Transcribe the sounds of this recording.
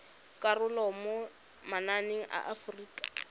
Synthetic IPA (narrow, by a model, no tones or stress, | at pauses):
kʼarʊlɔmo | mananeŋ̩ʔa̰ʔafriːkʼḁ